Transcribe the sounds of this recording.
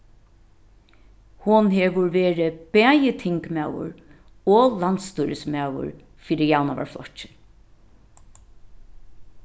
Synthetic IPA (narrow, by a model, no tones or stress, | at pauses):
hʊnɦeʋʊɹʋeːɹɪb̥æːjɪt̪ʰɪŋkmaːwʊ̰ɹ | ɔlant̪st̪ujɾɪsmawʊ̰ɹ | fiːɾɪjawnaʋa̰ɹflɔ̰t͡ʃɪ̥